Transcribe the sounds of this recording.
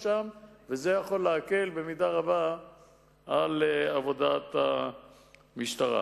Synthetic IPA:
ʃamveze̞jaχo̞lːeake̞lbe̞midaʁaba | alavo̞dat̪a | miʃtaʁa̰

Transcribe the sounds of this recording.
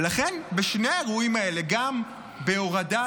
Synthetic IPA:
laχenbeʃne̞aeʁuimae̞le̞ɡam | beoʁada

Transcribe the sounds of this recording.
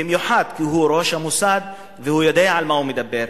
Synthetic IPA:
imjuħad̪kiɦuɾoʃhamusad̪ | vehujad̪aʕalmahumed̪abːeɾ

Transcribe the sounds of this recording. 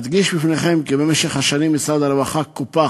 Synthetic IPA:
d̪ɡiʃbifneχemkibemeʃeχhaʃanimːit͡sad̪aɾevaχakupa

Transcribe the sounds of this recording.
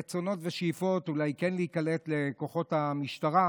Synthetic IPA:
t͡so̞no̞tveʃjifo̞tulajkɛnliikaletle̞ko̞χo̞thamiʃtaʁa

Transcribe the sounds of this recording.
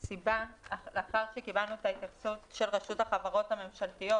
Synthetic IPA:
sibaleaχaʁʃekibalnuetait̪akt͡sutʃe̞lʁeʃuthaχavaʁo̞thame̞mʃaltijo̞

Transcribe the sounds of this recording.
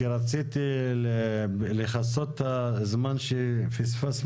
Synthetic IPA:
ɾat͡sit̪ileleχasot̪hazmanʃefisfas

